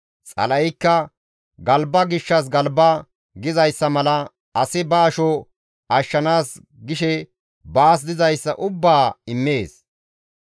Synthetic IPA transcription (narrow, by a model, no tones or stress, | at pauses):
t͡sʼɐ̰lɐjɪkːɐ | ɡɐlbɐɡɪʃːɐs̬ɡɐlbɐ | ɡɪzɐjsːɐmɐlɐ | ɐsɪbaːʃɔ | ɐʃːɐnaːs | ɡɪʃɛ | baːs̬d̪ɪzɐjsːɐʔʊbːaːɪmːe̞ːs